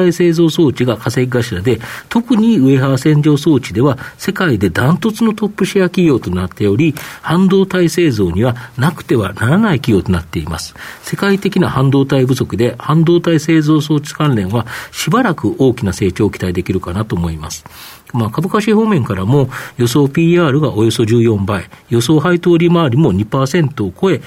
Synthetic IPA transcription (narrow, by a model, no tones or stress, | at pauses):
aise̞ːzo̞ːso̞ːt͡ɕiɡakase̞kʲiɡaɕiɾad̪e̞t̪o̞kɯ̟ɲ̟iɯ̟e̞ɦaβasẽ̞ɲ̟d͡ʑo̞ːso̞ːt͡ɕid̪e̞βase̞kaid̪e̞d̪ãnt̪o̞t͡sɨno̞t̪o̞pːɯ̟ɕiakʲiɡʲo̞ːt̪o̞nat̪ːe̞o̞ɾʲihãnd̪o̞ːt̪aise̞ːzo̞ːɲ̟iβanakɯ̟̥t̪e̞β̞a̰naɾanaikʲiɡʲo̞ːt̪o̞nat̪ːe̞ima̰sɨ̥se̞kait̪e̞kʲinahãnd̪o̞ːt̪aibɯ̟so̞kɯ̟d̪e̞hãnd̪o̞ːt̪aise̞ːzo̞ːso̞̥ːt͡sɨ̥kãnɾẽ̞ɰ̃βaɕibaɾakɯ̟ʔo̞ːkʲinase̞ːt͡ɕo̞ːkʲi̥t̪aid̪e̞kʲiɾɯ̟kanat̪o̞ːmo̞ima̰sɨ̥ | maːkabɯ̟kaɕiho̞ːmẽ̞ŋkaɾamo̞jo̞so̞ːpʲiːaːɾɯ̟ɡaʔo̞jo̞so̞ʑɨːjõ̞mbaijo̞so̞ːɦait̪o̞ːɾʲimaːɾʲimo̞ɲ̟ipaːsẽ̞nt̪o̞ːko̞e̞